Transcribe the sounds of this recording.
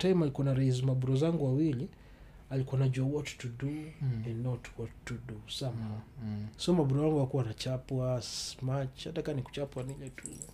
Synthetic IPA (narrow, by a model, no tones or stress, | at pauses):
tajmalikuanaɾais̬imabuɾɔzaŋɡuwawili | alikuanad͡ʒuawɔtu̥tuduɛnɔtu̥kwɔtudusamasiɔmabuɾɔjaŋɡuakuwanat͡ʃapwasmat͡ʃhatakaniku̥t͡ʃapwanilɛtʰṵɛ